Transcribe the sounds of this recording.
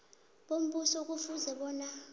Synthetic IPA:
ɓom̩ɓusɔk̬ufuzɛɓɔːna

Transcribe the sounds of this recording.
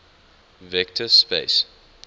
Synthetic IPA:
vɛk̚tʰəspḛs

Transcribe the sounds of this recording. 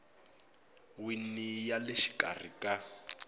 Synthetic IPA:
winijalɪʃi̥kʼar̤ikʼa

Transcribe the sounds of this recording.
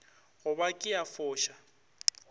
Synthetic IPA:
ɣʊbakʼɪjafʊːʃa

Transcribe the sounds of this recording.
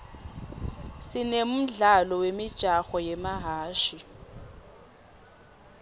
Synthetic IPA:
sɪnem̩ɮalɔwemid̥ʒ̥ʼʱaxɔjemaɦaːʃi

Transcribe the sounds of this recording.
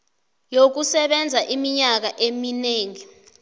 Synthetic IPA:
jok̬usɛɓɛnd͡zʱaʔimiɲak̬aʔemineːŋi

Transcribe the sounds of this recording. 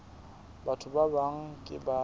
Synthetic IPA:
batʰʊbabaŋ̩kʼɪba

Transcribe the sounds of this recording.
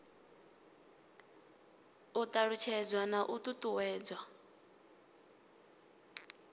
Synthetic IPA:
utʼaɺut͡ʃʰɛd͡zwanaʔutʼutʼuwɛːd͡zwa

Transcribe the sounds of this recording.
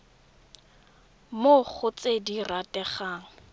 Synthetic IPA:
mok͡xʰʊt͡sediratʼɛχaːŋ̩

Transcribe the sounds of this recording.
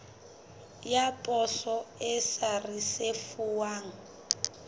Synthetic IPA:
japʼɔsɔɛsarisefuwaːŋ̩

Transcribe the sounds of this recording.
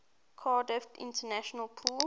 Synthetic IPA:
kʰɑːdɪftɪ̰̃ntənæʃənəlˠpʰuːl

